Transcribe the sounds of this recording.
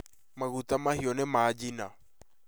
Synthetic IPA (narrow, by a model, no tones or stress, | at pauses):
maɣutamahiɔnemaːd͡ʒina̰